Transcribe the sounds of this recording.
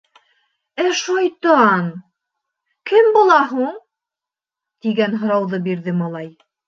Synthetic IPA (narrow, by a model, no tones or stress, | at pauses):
æʃɑjt̪ɑn | kɘmbulˠɑɦuɴ | t̪iɡænɦŏɾɑwðɤbiɾðɘmɑlˠɑj